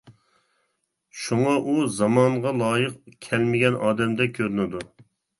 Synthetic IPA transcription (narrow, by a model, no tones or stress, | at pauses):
ʃuŋɑʔuzɑmɑɴʁɑlˠɑːjəqkʲʰɛlmɪɡʲɛnʔɑːd̪ɛmd̪ɛkʲʰøɾynɪd̪u